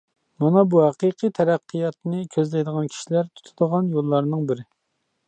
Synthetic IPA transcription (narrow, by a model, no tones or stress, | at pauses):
mɑnɑbuhæqɨqʰɨjt̪ʰɛɾæqʰːɨjɑt̪nɨkʲʰøzlɛjd̪əʁɑnkʲʰi̥ʃilæɾt̪ʰu̥t̪ʰɨd̪əʁɑnjolˠːɑɾnɨŋbɪɾɪ